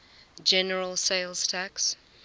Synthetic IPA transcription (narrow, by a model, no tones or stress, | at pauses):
d͡ʒɛnəɹəlˠseɪlˠz̥tʰæks